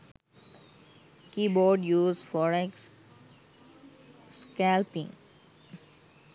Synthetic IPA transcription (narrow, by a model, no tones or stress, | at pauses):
kiːbɔːɖjuːzfɔɾeks | skælpɪ̃ŋ